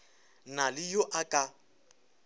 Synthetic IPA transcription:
nalɪjoʔakʼa

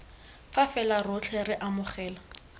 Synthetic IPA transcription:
fafɛlarʊt͡ɬʰɛɾɪʔamʊχɛːla

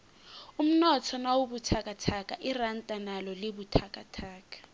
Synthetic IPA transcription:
um̩nɔtʰɔnawubutʰakʼatʰakʼaʔɪran̩tʼanalɔlɪbutʰakʼatʰaːkʼḁ

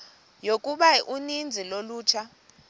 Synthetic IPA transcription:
jokʼuɓaʔunind͡zʱiloluːt͡ʃʰa

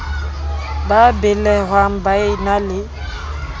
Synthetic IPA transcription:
babɪlɛɣwam̩baɪnalɪ

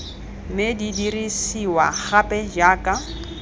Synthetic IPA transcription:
medidirisiwaχapʼɛd͡ʒaːkʼa

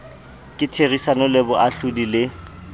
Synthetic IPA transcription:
kʼɪtʰerisanʊlɪbʊʔaɬʊdilɪ

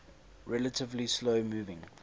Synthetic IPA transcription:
ɹɛlətʰɪvlisloʊmuːvɪ̃ŋ

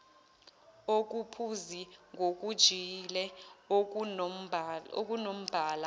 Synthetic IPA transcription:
ok̬ʼupʰuziŋɡʱok̬ʼud̥ʒ̥ʱilɛo | o̰k̬ʼunom̩b̥ʱaːla

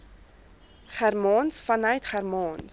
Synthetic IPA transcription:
χærmɑːnsfɐnœɥtχærmɑːns

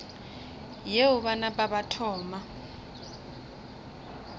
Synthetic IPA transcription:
jeʊɓanaɓaɓatʰɔːma

